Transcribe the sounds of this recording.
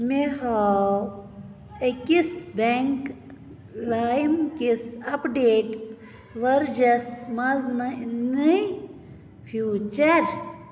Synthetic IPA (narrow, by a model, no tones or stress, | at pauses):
meha | ekisbeŋk | lajmkisɐpɖeːʈ | ʋɐɾd͡ʒɐsmɐzmɐnɨ | fʰjuːt͡ʃɐɾ